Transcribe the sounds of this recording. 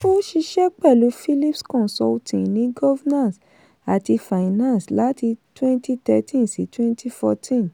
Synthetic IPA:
o˦ʃi˧ʃɛ˦k͡pɛ˦˨lu˨˦fi˦li˦pskɔ̃˦˨sɔ˧ltʰĩ˨nĩ˨˦ɡɔ˦vɛ˦nã˦˨s | a˨ti˧fa˨i˨nã˦nsla˦ti˧twɛ̃˦nti˦tɛ˧tʰĩ˦nsḭ˨˦twɛ̃˦ntʰi˦fɔ˧tʰĩ˦˨n

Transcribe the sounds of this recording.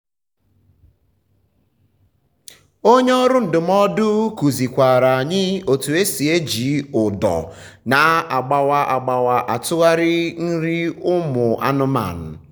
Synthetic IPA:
o˦ɲe˦ɔ˦ɾʊ˦n̩˨dʊ˨m̩˦ɔ˦dʊ˦ku˨zi˨kʷa˨ɾa˨a˨ɲɪ˦o˨tu˨e˦si˨e˦d͡ʒi˨˦ʊ˨dɔ̰˨na˨a˨ɡ͡ba˨wa˦ʔa˨ɡ͡ba˨wa˨ʔa˨tʊ˦ɣa˦ɾɪ˦n̩˦ɾi˦ʊ˦mʊ˨ʔa̰˦nʊ˦ma̰˨n̩˨

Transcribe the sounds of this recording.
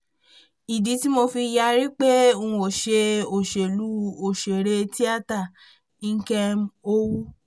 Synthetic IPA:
i˨di˨˦ti˦mo˧fi˧ja˧ɾi˦k͡pe˦o˧ũ˧o˨ʃe˧o˨ʃe˨lu˦o˨ʃe˨ɾe˧ti˦a˦˨ta˦˨ | ĩ˦ŋ̩˦kɛ˧m̩˦o˦wu˦

